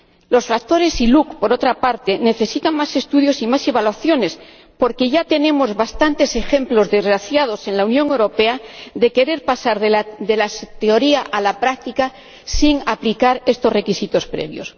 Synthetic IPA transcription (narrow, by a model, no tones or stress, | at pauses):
lo̞sfak̚t̪o̞ɾe̞silukpo̞ɾo̞t̪ɾapaɾt̪e̞ne̞θe̞sit̪aŋmase̞st̪uðjo̞simase̞βalwaθjo̞ne̞s | po̞ɾke̞ʝat̪e̞nẽ̞mo̞zβast̪ant̪e̞se̞xe̞mplo̞zðe̞zɣɾaθjað̞o̞se̞nlaunjoŋe̞wɾo̞pe̞aðe̞ke̞ɾe̞ɾpasaɾðd̪e̞last̪eo̞ɾiaʔalapɾak̚t̪ika | siŋaplikaɾe̞st̪o̞zre̞kisit̪o̞spɾe̞̰βjos